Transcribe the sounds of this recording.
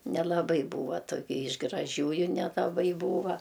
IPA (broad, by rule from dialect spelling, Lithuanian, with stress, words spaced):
nʲɛlˠɐˈbɐɪ ˈbuːʋɐ toːˈkʲɛ ɪʃ ɡrɐˈʒʲuːjʊ nʲɛlˠɐˈbɐɪ ˈbuːʋɐ